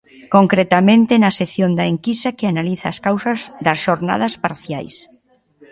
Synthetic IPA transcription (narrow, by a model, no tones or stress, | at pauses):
koŋkɾet̪amẽnt̪ɪnɐseθjond̪ɐeŋkist̪ɐkɪanaliθɐːskawsɐzðɐsʃoɾna̰ð̞ɐspaɾθja̰js